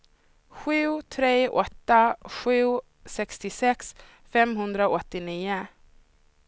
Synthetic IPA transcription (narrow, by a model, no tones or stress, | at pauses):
ɧʉ̟ːt̪ʰɾeːʔɔt̪ːaɧʉ̟ː | sɛkst̪ɪsɛks | fɛmɦɵnd̪ɾaɔt̪ːɪniːʊ